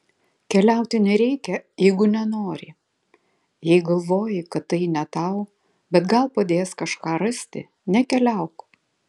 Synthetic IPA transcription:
kʲɛlʲæˑʊt̪ʲɪnʲɛɾʲɛɪkʲɛjɛɪɡʊnʲɛnoːɾʲɪ̰ | jɛɪɡɐlˠʋoːjɪkɐt̪ːɐɪnʲɛt̪ɐʊ | bʲɛt̪ɡɐlˠpɐd̪ʲeːskɐʃkɑːɾɐsʲt̪ʲɪ̰ | nʲɛkʲɛlʲæˑʊk

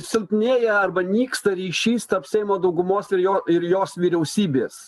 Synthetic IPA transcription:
sʲɪlˠʲpʲnʲeːjɛɐɾbɐnʲiːkst̪ɐɾʲiːʃʲiːst̪ɐpsʲɛɪmoːd̪ɐʊɡʊmoːsɪɾjoːɪɾjoːsʋʲiːɾʲɛʊsʲiːbʲeːs

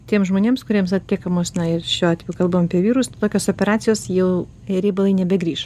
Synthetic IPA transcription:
t̪ʲiɛmszʒmoːnʲeːmskʊɾʲiɛmsɐt̪̚ʲt̪ʲikɐmoːsnɐɪrʃʲoːɑːt̪ʲɛjukɐlˠbɐmɐpʲiɛʋʲiːɾʊst̪oːkʲoːsoːpʲɛɾɑːt̪sʲɪjoːsjɛʊ | ɛɾʲebɐlˠɐɪnʲɛbʲɛɡɾʲiːʃ

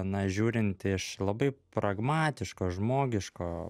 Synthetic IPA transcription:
nɐʒʲuːɾʲɪnʲt̪ʲɪʃlˠɐbɐɪpɾɐɡmɑːt̪ʲɪʃkoːʒmoːɡʲɪʃkoː

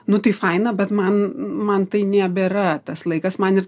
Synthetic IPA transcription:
nʊt̪ɐɪfɐɪnɐbʲɛt̪mɐnmɐnt̪ɐɪnʲæbʲɛɾɐt̪ɐslˠɐɪkɐsmɐnɪr

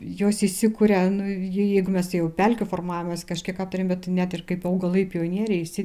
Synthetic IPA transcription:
joːsɪsʲɪkuːɾʲɛnʊjɪjɛɪɡʊmʲɛst̪ɐjɛʊpʲɛlʲkʲʊfoːrmɑːʋʲomɐskɐʃʲkʲiɛkɑːpt̪ʊɾʲeːmbʲɛt̪nʲæt̪ɪrkɐɪpɐʊɡɐlˠɐɪpʲijoːnʲiɛɾʲɛɪɪsʲɪ

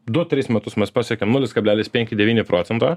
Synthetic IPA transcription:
d̪ʊt̪ʲɾʲɪsmʲɛt̪ʊsmʲɛspɑːsʲɛkʲeːmnuːlʲɪskɐbʲlʲæːlʲɪspʲɛŋʲkʲɪd̪ʲɛʋʲiːnʲɪpɾʔoːsʲɛnt̪ɑː

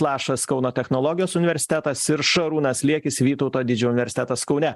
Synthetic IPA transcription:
lˠɑːʃɐskɒʊnoːt̪ʲɛxnoːlˠɔːɡʲɪjoːsʊnʲɪʋʲɛɾʲsʲɪ̥t̪ʲæt̪ɐsɪɾʃɐɾuːnɐslʲiɛkʲɪsʋʲiːt̪ɒʊt̪oːd̪ʲɪd͡ʒʲɛːʊnʲɪʋʲɛɾʲsʲɪt̪ʲɛt̪ɐskɒʊnʲɛ

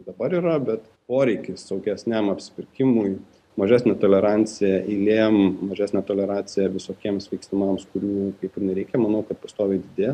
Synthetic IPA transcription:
d̪ɐbɐɾiːɾɐbʲɛt̪ | poːɾʲɛɪkʲɪssɐʊɡʲɛsʲnʲæmɐpʲsʲɪ̥pʲɪɾʲkʲɪmʊj | mɐʒʲæːsʲnʲɛt̪oːlʲɛɾɑnʲt͡s̪ʲɪjɛʔilʲeːmmɐʒʲæːsʲnʲɛt̪oːlʲɛɾɑːsʲɪjɛʋʲɪsoːkʲiɛmsʋʲɛɪksʲt̪ʲɪmɑmskʊɾʲuːkɐɪpɪnʲɛɾʲɛɪkʲɛmɐnɐʊkɐt̪pɐst̪oːʋʲɛɪd̪ʲɪd̪ʲeːj

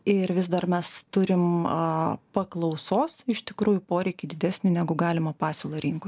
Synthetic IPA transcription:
ɪɾʋʲɪzd̪ɐrmʲɛst̪ʊɾʲɪm | pɐklˠɒʊsoːsɪʃt̪ʲɪkɾuːjʊpoːɾʲɛɪkʲɪd̪ʲɪd̪ʲæːsʲnʲɪnʲæːɡʊɡɑːlʲɪmɐpɑːsʲoːlˠoːɾʲɪŋkoː

